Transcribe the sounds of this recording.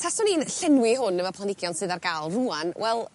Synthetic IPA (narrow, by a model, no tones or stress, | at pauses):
tʰasɔniːnɬɛnwɪɦʊnːəvɔpʰanɪɡjɔnsɨðarɡalˠruːanwʔɛlˠ